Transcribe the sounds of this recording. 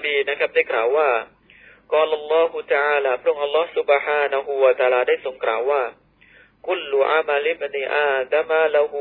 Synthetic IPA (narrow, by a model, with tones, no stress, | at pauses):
biː˧na˦˥kʰa˦˥p̚daː˥˩jklaː˨˩˦wːaː˥˩ | kɑː˧la˧lˤːɔː˦ɦu˧t̪a˧ʔaː˧laː˧˩pʰɾɯ˥˩əŋʔa˧lːɔː˦˥hsu˦bħaː˧na˧ɦu˧wa˧t̪aː˧laː˧daː˥˩jso˨˩˦ŋklaː˨˦wːaː˥˩ | ku˥lːu˨ʔa̰˦ma˧li˦bniː˧ʔa˧d̪a˦mala˧ɦu˧